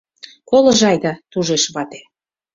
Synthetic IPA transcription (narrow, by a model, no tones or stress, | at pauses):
koləʒɑjd̪ɑt̪uʒeʃβɑt̪e̥